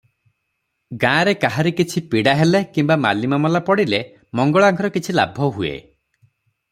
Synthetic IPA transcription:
ɡãːɾekaɦaɾikit͡ʃʰipiɽaɦelekimbama̰limamɔlapɔɽile | mɔŋɡɔɭɔaŋkʰɔɾɔkit͡ʃʰila̰bʱɔɦuḛ

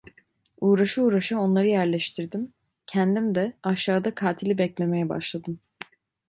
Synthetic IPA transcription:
uːɾaʃɯuːɾaʃao̞nlˠaɾɯjæɾlʲɛʃt̪ʰiɾd̪im | cʰɛnd̪imd̪ɛaʃaːd̪akʰaːt̪ʰilʲibɛclʲe̞mejɛba̰ʃlˠad̪ɯm

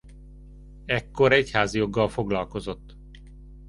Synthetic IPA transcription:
ɛkːo̞ɾɛchaːzijo̞ɡːɒlfo̞ɡlɒlko̞zo̞t̪ː

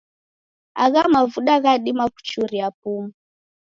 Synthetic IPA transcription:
a̰ɣamavuɗaɣaɗimaku̥t͡ʃuɾiap̚umu

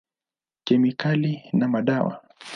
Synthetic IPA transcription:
kɛmikalinamaɗawa̰

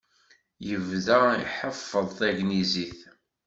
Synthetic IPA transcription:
jəvðæḭħəfːəðˤθæʝniziθ

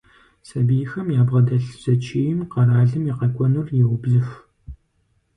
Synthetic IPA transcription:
sɐbijxɐmjaːbʁɐdɐɬz̥ɐt͡ʃʰiːjɪmqɐraːɮɨmiqɐkʷʼɔnʊrjɪwʊbɮɨf

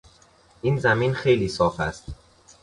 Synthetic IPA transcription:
ʔiːnzæmiːnxe̞jliːsɒːfæ̰st̪

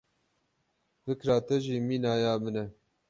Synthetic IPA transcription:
fɨkɾɑːt̪ɛʒiːmiːnɑːjɑːbɨnɛ

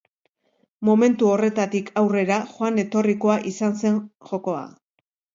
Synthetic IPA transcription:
mo̞me̞nt̪uo̞re̞t̪at̪ikʰawre̞ɾaxoane̞t̪o̞riko̞aʔisanse̞nxo̞ko̞a̰

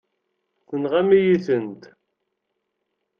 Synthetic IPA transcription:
θənʁamijiθənt̪

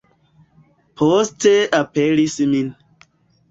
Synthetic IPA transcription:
pʰosteapeɾismin

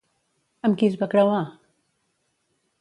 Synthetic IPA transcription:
əmkizβakɾəwa

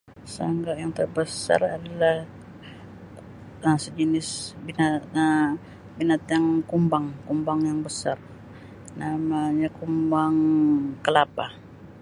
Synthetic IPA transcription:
sa̰ŋɡaʔjaŋt̪ərbəsa̰radalah | əsəd͡ʒənɪsbina | binat̪jaŋkumbaŋkumbaŋjaŋbəsar | namaɲakumbaŋkəlapa

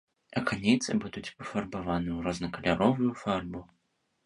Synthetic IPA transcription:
ɐkanʲijt̪sɨbud̪ut͡sʲpɐfɐrbavanɨuɾɐznɐkɐlʲaɾɔvujufarbu

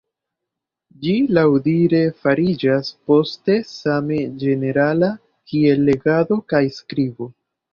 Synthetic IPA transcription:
d͡ʒilawdiɾe̞faɾid͡ʒaspo̞ste̞samed͡ʒe̞ne̞ɾala | kʰie̞lːe̞ɡado̞kajskɾibo̞

